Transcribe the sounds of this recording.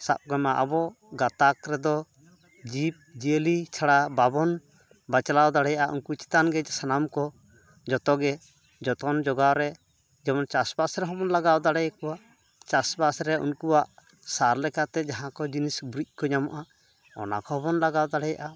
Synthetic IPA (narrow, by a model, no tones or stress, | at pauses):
sa̰p̚ɡamaʔabɔ | ɡat̪akɾɛd̪ɔ | d͡ʒip̚d͡ʒəlit͡ʃʰaɽababɔn | bat͡ʃalawd̪aɽɛjaʔaʔunkut͡ʃi̥t̪anɡɛsanamkɔ | d͡ʒɔt̪ɔɡɛ | d͡ʒɔt̪ɔnd͡ʒɔɡawɾɛ | d͡ʒɛmɔnt͡ʃasbasɾɛɦɔbɔnlaɡawd̪aɽɛjkɔwaʔ | t͡ʃasbasɾɛṵnkuwaʔ | saɾlɛkat̪ɛd͡ʒaɦãkɔd͡ʒinisbɾic̚ˀkɔɲamaʔa | ɔ̰na̰kɔhɦɔbɔnlaɡawd̪aɽɛjaʔa